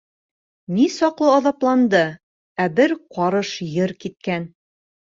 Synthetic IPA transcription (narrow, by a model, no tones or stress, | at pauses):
nisɒqlˠɤɒðɑplˠɑnd̪ɤ | æbɘɾqɒɾɤʃjɤɾkit̪̚kæn